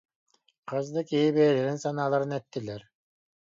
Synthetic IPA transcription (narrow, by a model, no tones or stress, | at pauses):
qʰɯzd̪ɯkiːbeːleɾinsɑnɑːlˠɑɾɯnet̪ːileɾ